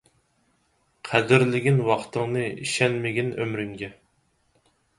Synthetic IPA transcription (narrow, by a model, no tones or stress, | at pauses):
qʰæd̪ɪɾlɪɡʲinwɑqt̪ʰəŋnɨḭʃɛnmɪɡʲinømɾyŋɡʲɛ